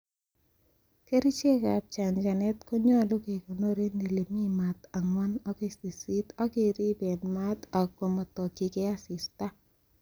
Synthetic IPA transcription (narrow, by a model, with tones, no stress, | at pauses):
ke˦ɾi˦t͡ʃe˦ka˨p̚t͡ʃa˨nd͡ʒa˨nɛ˦tko˦ɲɔ˦˨lu˦ke˨kɔ˨no˦ɾe˦nde˨le˨mi˦ma˨t̪a˨ŋwɔ˦nɔ˦ke˦˨si˨si˦tɔ˦kɪ˦ɾi˦be˨nma˦t̪ɔ˨ko˨mɔ˨tɔ˨ki˨kɛ˦a˦sɪ˨sta˦